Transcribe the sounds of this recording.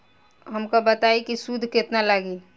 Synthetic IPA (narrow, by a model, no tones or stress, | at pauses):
ɦəmkobət̪aikisud̪ʱkɪt̪nalaɡi